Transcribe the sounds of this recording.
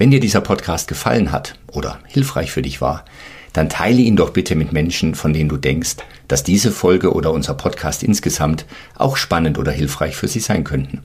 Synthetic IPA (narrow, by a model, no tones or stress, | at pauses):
vɛndiːɐdiːzɐpʰɔtkʰaːst̚ɡ̥əfa̰lənɦa̰tʔoːdɐ̰hɪlfʁ̥a̰ɪçfyːɐdɪçv̥a̰ːɐ | d̥antʰa̰ɪləiːndɔχb̥ɪtʰəmɪtmɛnʃn̩fɔndeːnənduːdɛŋkst | d̥asd̥iːzəfɔlɡəʔo̰ːdɐʊnzəʁɐpʰɔtkʰaːstʔɪ̰nsɡ̥əzamt | ʔa̰ʊxʃpanəntʔo̰ːdɐɦɪlfʁ̥aɪçfyːɐziːzaɪnkʰœntn̩